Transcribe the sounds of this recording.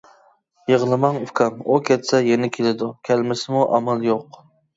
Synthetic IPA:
jeʁlˠɨmɑŋukʲʰɑmukʲʰɛt̪sɛjenɪkʲʰelɪd̪ukʲʰælmɪsɪmuʔɑmɑlˠjoq

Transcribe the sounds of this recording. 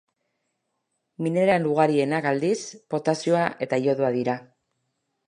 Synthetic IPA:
mine̞ɾaenluɣ̞aɾie̞nakald̪ispo̞t̪asio̞aʔe̞t̪ajo̞ðuaðiɾa

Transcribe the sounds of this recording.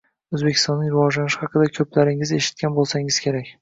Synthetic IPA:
ɵzbe̞kʰʲɪ̥st̪ɒnːɪŋɾɪvɒd͡ʒlanɪʃhɑqɨd̪akʲʰɵplaɾɪŋɪze̞ʃɪ̥t̪̚kʲanbolˠsaŋɪz̥kʲʰe̞ɾakʲ

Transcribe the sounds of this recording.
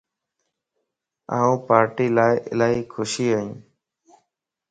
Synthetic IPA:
aːũːpaːɾʈiːlaːɪʔɪlaːɦiːkʰʊʃiːaːũː

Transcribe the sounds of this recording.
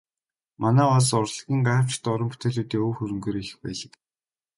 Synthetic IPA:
manæːɔs̬ɔrɮɣʲiːŋɢaːw̥t͡ɕɪ̥t̪ɔɾɞ̆mpu̥t̪ʰeːɮuːt̪iːoːxɵɾɵ̆ŋɡeːɾix̆xpæ̰ːɮə̆k

